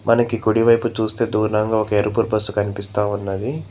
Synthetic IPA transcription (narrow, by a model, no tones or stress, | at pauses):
mʔɐnɐkikuɽiʋɐjput͡ʃuːst̪e̞ːd̪uːɾnɐŋɡaːɔkɐeɾupuɾbɐsukɐnipist̪aːunːɐd̪i